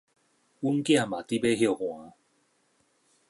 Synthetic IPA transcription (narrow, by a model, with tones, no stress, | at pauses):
u˦ŋkj̃ã˥˨mã˨t̪i˦be˦ɦjo˥˧˨hw̃ã˨˦